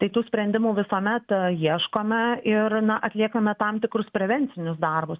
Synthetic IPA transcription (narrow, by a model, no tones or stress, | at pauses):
t̪ɐɪt̪uːsʲpʲɾʲɛnʲd̪ʲɪmuːʋʲɪsoːmʲɛt̪jiɛʃkoːmʲɛɪɾnɐʔɐt̪ʲlʲiɛkɐmʲɛt̪ɐmt̪ʲɪkɾʊspʲɾʲɛʋʲɛnʲt͡s̪ʲɪnʲʊsd̪ɐrbʊs